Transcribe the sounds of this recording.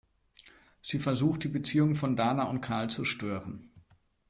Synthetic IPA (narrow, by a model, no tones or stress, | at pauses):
z̥iːfɛɐzuːxt̚d̥iːbət͡siːʊŋəfɔndaːnaʊnt̚kʰaɐlt͡suʃtøːʁən